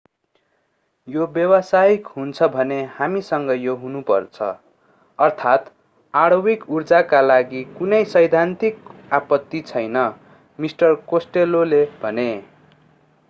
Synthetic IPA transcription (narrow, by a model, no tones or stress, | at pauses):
jobjʌwʌsaikɦunt͡sʰʌbʱʌnehamisʌŋɡʌjoɦunupʌ̰rt͡sʰʌ̰ | ʌrt̪ʰat̪ | aɽowikurd͡zakalaɡikunʌjsʌjd̪ʱant̪ikapʌt̪ːit͡sʰʌjnʌ | misʈʌrkosʈelolebʱʌne